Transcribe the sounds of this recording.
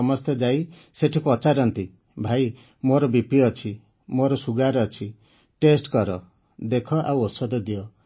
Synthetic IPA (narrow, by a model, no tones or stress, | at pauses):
ɔmɔst̪ʰed͡ʒai | seʈʰipɔt͡ʃaɾɔnt̪i | bʱai | moɾɔbipiɔt͡ʃʰi | moɾɔsuɡaɾɔt͡ʃʰi | ʈesʈkɔɾɔ | d̪ekʰɔʔa̰wosɔd̪ɔd̪ijɔ